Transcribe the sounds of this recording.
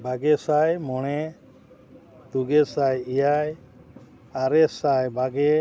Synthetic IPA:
baɡɛsajmɔɽ̃ɛ | t̪uɡɛsajijaj | aɾɛsajbaɡɛ

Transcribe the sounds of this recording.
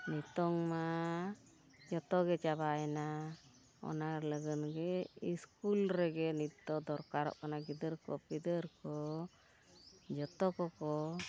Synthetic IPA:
nit̪ɔŋma | d͡ʒɔt̪ɔɡɛt͡ʃabaɛna | ɔ̰naɾləɡənɡɛiskulɾɛɡɛnit̪ːɔd̪ɔɾkaɾɔ̰ʔkanaɡid̪əɾkɔ̰pid̪əɾkɔ | d͡ʒɔt̪ɔkɔkɔ

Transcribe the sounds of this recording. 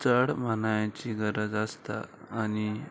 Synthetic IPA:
t͡səɽmanajãt͡ɕiɡəɾəd͡zast̪a̰ːni

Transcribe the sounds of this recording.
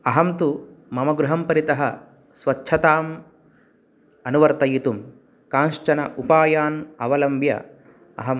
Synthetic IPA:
ɐɦɐmt̪umɐmɐɡɾuɦɐmpɐɾit̪ɐɦɐ̰ | sʋɐtːʃʰɐt̪aːm | ɐnuʋɐɾt̪ɐjit̪um | kaːnʃt͡ʃɐnɐ̰ʔupaːjaːnɐʋɐlɐmbjɐ̰ | ɐ̰ɦɐm

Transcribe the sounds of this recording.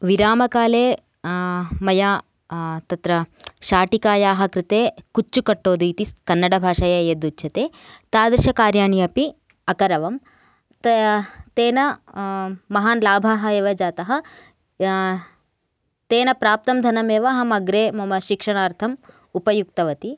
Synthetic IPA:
ʋiɾaːmɐkaːleː | mɐjaː | t̪ɐt̪ɾɐʃaːʈikaːjaːɦɐ̆kɾɪt̪eːkut͡ʃːukɐʈːoːd̪uit̪iskɐnːɐɽɐbʱaːʂɐjɐjɐd̪ut͡ʃʰɐt̪eː | t̪aːd̪ɾɪʃɐkaːɾjaːɳijɐpi | ɐkɐɾɐʋɐm | tt̪eːnɐ | mɐɦaːnlaːbʱaɦɐeːʋɐd͡ʒaːt̪ɐɦɐ̆ | t̪eːnɐpɾaːp̚t̪ɐmd̪ʱɐnɐmeːʋɐɦɐmɐɡɾeːmɐmɐʃikʂɐɳaːɾt̪ʰɐm | upɐjuk̚t̪ɐʋɐt̪i

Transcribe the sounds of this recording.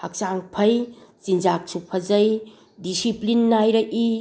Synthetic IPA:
hɐk̚saŋpʰɐjt͡ʃind͡ʒak̚t͡ʃʰupʰːɐzɐj | disiplinːajɾai

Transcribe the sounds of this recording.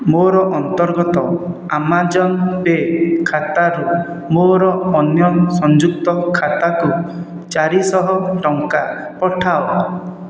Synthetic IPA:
moɾɔʔɔnt̪ɔɾɡɔt̪ɔ | amad͡ʒɔnpekʰat̪aɾu | moɾɔɔnjɔsɔnd͡ʒuk̚t̪ɔkʰat̪aku | t͡ʃaɾisɔɦɔʈɔŋka | pɔʈʰao

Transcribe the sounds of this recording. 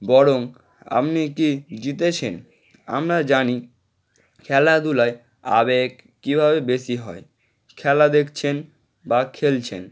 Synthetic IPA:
bɔɾoŋ | a̰pnikid͡ʑit̪et͡ɕʰen | a̰mɾad͡ʑani | kʰɛlad̪ulae | a̰beɡ | kːibʱabebesiɦɔe | kʰɛlad̪ekʰt͡ɕʰen | bakʰelt͡ɕʰḛn

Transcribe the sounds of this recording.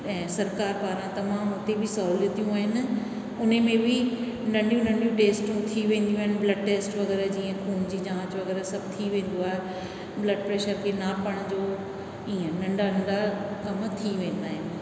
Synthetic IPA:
ɛ̃ːsɐɾkaːɾpaːɾãt̪ɐmãːmʊt̪ebɪsɐɦuːljət̪ijũaːɦɪnɪ̆ | ʊn̤emẽbɪ | nɐ̃ɳɖijũnɐ̃ɳɖijũʈeːsʈũt̪ʰiʋẽːnd̪ijũaːɦɪnɪ̆blɐɖ̚ʈeːsʈʋɐɣɛːɾd͡ʑiːə̃kʰuːnd͡ʑiːd͡ʑãːt͡ɕʋɐɣɛːɾəsɐbʱt̪ʰiʋẽːn̆d̪oaːɦe | blɐɖpɾeːʃəɾkʰenapɐɽ̃d͡ʑoː | iːə̃nɐ̃ɳɖanɐ̃ɳɖakɐmt̪ʰiʋẽːnd̪aːɦɪnɪ̆

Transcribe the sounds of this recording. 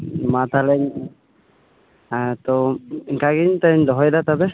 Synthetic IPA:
mat̪alɛɲ | t̪ɔŋkaɡint̪aɲd̪ɔɦɔjd̪at̪abɛ

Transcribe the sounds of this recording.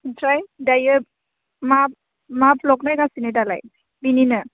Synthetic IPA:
tʰɾajdajɯp̚ | map̚ | maplɔknajɡasinedala̰j | bininɯ

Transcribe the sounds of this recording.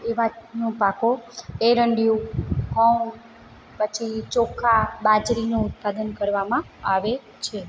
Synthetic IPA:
eʋanũpakoeɾəɳɖijũkɔ | pət͡ʃʰit͡ʃokʰabad͡ʒɾinũːt̪̚pad̪ənkəɾʋamã | aʋe | t͡ʃʰe

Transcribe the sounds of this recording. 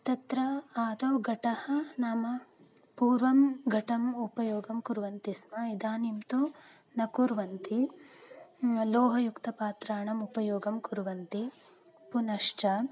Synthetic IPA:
t̪ɐt̪ɾɐaːd̪ɐwɡɐʈɐhɐnɐmɐ | puːɾʋɐmɡʱɐʈɐmupɐjoːɡɐmkuɾʋɐnt̪ismɐid̪aːnimt̪u | nɐkuɾʋɐnt̪i | loːɦɐjukt̪ɐpaːt̪ɾaːɳɐmupɐjoːɡɐmkuɾʋɐnt̪i | punɐʂt͡ʃɐ

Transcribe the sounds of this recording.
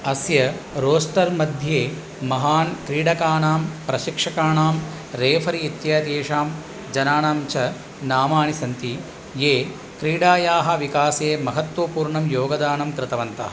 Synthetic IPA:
ɐsjɐɾoːsʈ̪ɐɾmɐd̪ʱjeː | mɐɦaːnkɾiːɽɐkaːnaːmpɾɐʃikʂɐkaːɳaːm | ɾeːfʰɐɾiːt̪jaːt̪eːʂaːm | d͡ʒɐnaːnaːmt͡ʃʰɐ | naːmaːnisɐnt̪i | jeː | kɾiːɽaːjaːɦɐ̆ʋikaːseːmɐɦɐt̪ʋɐpuːɾɳɐmjoːɡɐd̪aːnɐmkɾɪt̪ɐʋɐnt̪ɐ̰ɐ

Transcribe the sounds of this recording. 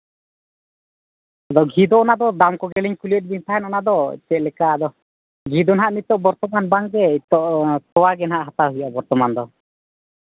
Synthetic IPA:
ad̪ɔɡʱid̪ɔːnad̪ɔd̪amkɔɡɛliɲkuliɛt̪̚bint̪ʰaɦɛnɔnad̪ɔ̰t͡ʃɛʔlɛkaːd̪ɔ | ɡʱid̪ɔnɦaʔmit̪ːɔʔbɔɾt̪ɔmanbaŋɡɛit̪ːɔʔt̪ɔwaɡɛnɦaʔɦat̪aɦujʔabɔɾt̪ɔmand̪ɔ

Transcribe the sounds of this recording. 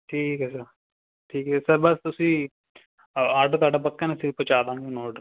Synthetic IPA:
ʈʰiːkɦɛsɐɾ | ʈʰiːkɦɛsɐɾbɐst̪ʊsĩː | aːɖt̪aːɖapɐkːãːnesɪɾpət͡ʃaːd̪ãːŋɡenoːɖ

